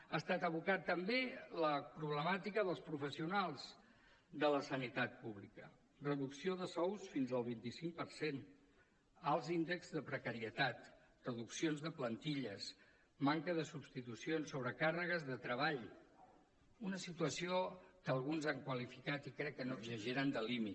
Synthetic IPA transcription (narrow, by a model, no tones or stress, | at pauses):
aːst̪at̪əβ̞ukat̪ːəmbeləpɾuβ̞ləmat̪ikəðəlˠspɾufəsiunalˠz | d̪ələsənit̪at̪̚puβlikə | rəðuksioðəsɔwsfinzəlˠβint̪isiŋk̚pəɾsen | alˠzind̪əkzðəpɾəkəɾiət̪at̪ | rəðuksionzðəplənt̪iʎəs | maŋkəðəsubst̪it̪usionsːoβɾəkarəɣəzðət̪ɾəβaʎ | unəsit̪uəsiokəːlˠɣunzaŋkwəlifikat̪ikɾɛkːənoɡʒəʒeɾand̪əlimit̪